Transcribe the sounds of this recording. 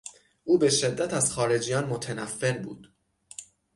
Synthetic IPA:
ʔuːbe̞ʃe̞d̪ːæt̪ʰæz̥xɒːɾe̞d͡ʒijɒːnmo̞t̪ʰenæfːe̞ɾbṵːd̪̥

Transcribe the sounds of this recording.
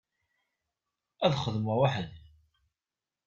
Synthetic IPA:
æðχəðməʁwaħəð

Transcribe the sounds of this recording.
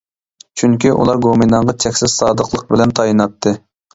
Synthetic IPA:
t͡ʃʰyŋkʲiʔṵlˠɑɾɡominɑɴʁɑt͡ʃʰɛkʲsɪsɑːd̪əqlˠəq̚bɪlɛnt̪ʰɑjinɑt̪ʰːɨ

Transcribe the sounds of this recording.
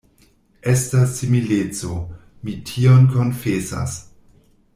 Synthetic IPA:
e̞stasːimilet͡so | mitʰionko̞nfesa̰s

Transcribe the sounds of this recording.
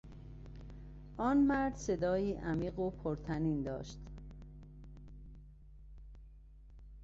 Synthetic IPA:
ʔɒːnmæɾd̪se̞d̪ɒːjiːʔæmiːɢopʰoɾt̪ʰæniːnd̪ɒ̰ːʃt̪

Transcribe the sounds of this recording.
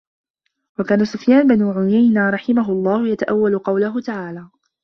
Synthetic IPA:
wakaːnasʊfjaːnbɪnuʕʊjajnaɾˤɑħɪmaɦʊɑlˤːɑːhʊjat̪aʔawːalʊqɑwlaɦʊt̪aʕaːlaː

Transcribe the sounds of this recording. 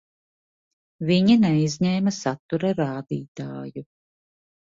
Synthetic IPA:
viɲinɛjzʲɲɛːmɐsat̪ːuɾaɾaːd̪iːt̪aːju

